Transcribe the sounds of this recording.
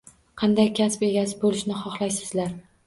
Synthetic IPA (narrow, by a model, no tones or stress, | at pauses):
qʰɑnd̪ajkʲʰaspe̞ɡʲasɪbolɪʃnɪχɒχlˠajsɪzlaɾ